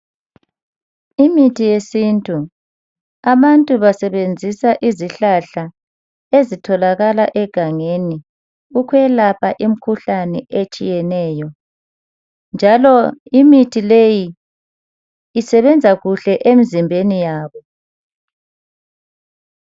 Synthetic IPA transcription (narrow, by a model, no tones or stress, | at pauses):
imitʰijesintʼu | aβantʼuβasɛβend͡zʱisaʔiziɬaɬa | ezitʰɔlaɣalaʔɛɡ̥ʱaŋeni | ukʰwɛlapʰaʔim̩kʰuɬanɛʔet͡ʃʼijɛnɛːjɔ | nd͡ʒʱalɔimitʰileji | sɛβɛnd͡zʱaɣuɬɛʔemizimbʱenijaːβɔ